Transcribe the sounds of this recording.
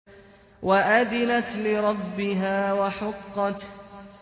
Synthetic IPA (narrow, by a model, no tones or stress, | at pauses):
waʔad̪ɪlat̪lɪɾˤɑbːɪɦaːwaħʊqːɑt̪